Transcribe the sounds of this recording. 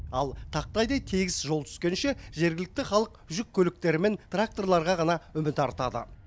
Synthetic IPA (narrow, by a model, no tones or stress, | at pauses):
ɑlˠt̪ʰɑq̚t̪ɑjd̪ɑjt̪ʰeɡʲɪsʒo̞lˠt̪ʰʏ̥skʲe̞nʃe̞ʒe̞ɾɡʲɪlɪk̚t̪ɪχɑlˠəqʒʏkʲʰːɵlɪk̚t̪e̞ɾɪme̞nt̪rak̚t̪o̞rlˠɑɾʁɑʁɑnɑʏmɪt̪ɑɾt̪ɑd̪ə̰